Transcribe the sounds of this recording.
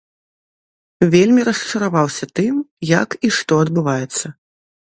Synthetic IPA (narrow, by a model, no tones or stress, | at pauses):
vʲelʲmʲiɾɐst͡ʂɐɾavawsʲɐt̪ɨmjɐkiʂt̪ɔɐd̪bɨvajɛt̪sːɐ